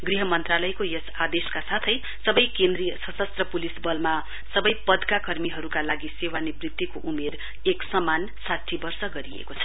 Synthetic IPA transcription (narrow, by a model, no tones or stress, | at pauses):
ɡriɦʌmʌnt̪ralʌjkojʌsad̪eskasat̪ʰʌj | sʌbʌjkẽnd̪rijʌsʌsʌst̪rʌpulisbʌlma | sʌbʌjpʌd̪kakʌrmiɦʌɾukalaɡisewanibrit̪ːikoʔumer | eksʌman | sat̪ʰːibʌrsʌɡʌɾiḛkot͡sʰʌ̥